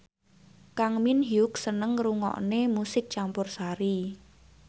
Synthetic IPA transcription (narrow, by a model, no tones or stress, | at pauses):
kaŋminɦjuk̚sənəŋruŋɔ̰ʔnemusɪk̚t͡ʃampʊrsaɾi